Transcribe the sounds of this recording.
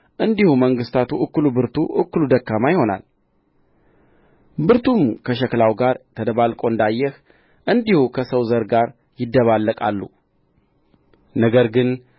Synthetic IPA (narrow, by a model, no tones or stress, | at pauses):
ʔɨnd̪ihuməŋɡɨst̪ʰat̪ʰuʔɨkːɨlubɨɾt̪ʰuʔɨkːɨlud̪əkːamajɪho̞na̰l | bɨɾt̪ʰumkʰəʃ̬ɛklawɡaɾt̪ʰəd̪əβalkʼo̞ɨnd̪ajːɛh | ʔɨnd̪ihukʰəsəwzəɾɡaɾ | jɪd̪ːəβalːəkʼa̰lːṵ | nəɡəɾɡɨn